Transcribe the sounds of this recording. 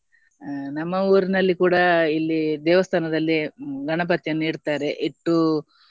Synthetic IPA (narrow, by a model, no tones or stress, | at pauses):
nɐmːɐuːɾinɐlːikuːɽɐilːid̪ɛːʋɐst̪ʰaːnɐd̪ɐlːiɡʱɐɳɐp̬ɐt̪jɐniːɽt̪aːɾe̞ʔiʈːu